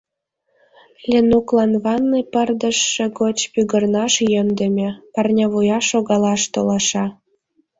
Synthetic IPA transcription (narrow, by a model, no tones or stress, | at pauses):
lʲenuklɑnβɑnːepərd̪ə̆ʃːĕɣot͡ɕpyɣərnɑʃjə̆md̪ə̆mʲĕpərnʲɑβujɑʃoɣɑlɑʃt̪olɑʃɑ